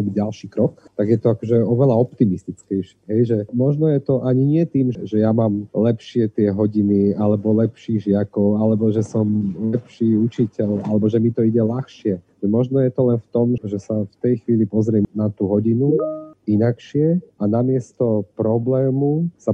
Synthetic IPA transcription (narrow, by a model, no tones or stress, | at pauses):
ɔbiɟalʃiːkɾɔkt̪aɡjɛt̪ɔakɔʒɛɔʋɛlaɔpt̪imist̪it͡skɛjʃɪɛɦɛjʒɛmɔʒnɔjɛt̪ɔʔaɲiɲɪɛt̪iːmʒɛʒɛjamaːmlɛpʃɪɛt̪ɪɛɦɔɟinialɛbɔlɛpʃiːɣʒɪakɔʊalɛbɔʒɛsɔmlɛpʃiːut͡ʃicɛʎalɛbɔʒɛmit̪ɔiɟɛlaxʃɪɛ | ɛmɔʒnɔjɛt̪ɔlɛnft̪ɔmʒɛsaft̪ɛjxʋiːlipɔzɾɪɛnat̪uːɦɔɟinuinakʃɪɛʔanamɪɛst̪ɔpɾɔblɛːmusa